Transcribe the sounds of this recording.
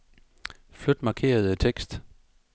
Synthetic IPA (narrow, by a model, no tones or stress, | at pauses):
flød̥mɑ̈ːkʰe̝̰ːɐð̞̩ˠət͡sʰeɡ̥sd̥